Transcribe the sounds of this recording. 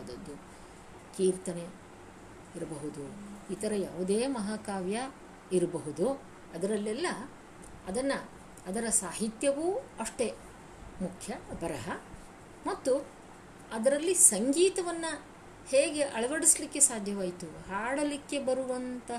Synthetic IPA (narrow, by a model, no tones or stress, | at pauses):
d̪ɐd̪ːu | kiːɾt̪ɐne | iɾɐbɐɦud̪uit̪ɐɾɐja̰ːʋud̪eːmɐɦaːkaːʋjɐ | iɾɐbɐɦud̪u | ɐd̪ɐɾɐlːɛlːɐː | d̪ɐnːɐː | d̪ɐɾɐsaːɦit̪jɐʋuɐʂʈe̞ | mukʰjɐbʱɐɾɐɦɐ | mɐt̪ːu | ɐd̪ɐɾɐlːisɐŋɡiːt̪ɐʋɐnːɐ | heːɡe̞ʔɐɭɐʋɐɽislikːe̞saːd̪ʱjɐʋaːjit̪uhaːɽɐlikːe̞bɐɾuʋɐnt̪ɐ